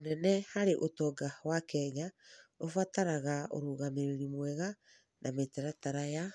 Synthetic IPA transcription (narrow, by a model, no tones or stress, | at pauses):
onɛnɛhaɾeʔotɔɡawakɛɲaofataɾaɣao̰ɾuːɣameɾeɾimwɛɣa | nʔametɛɾataɾaja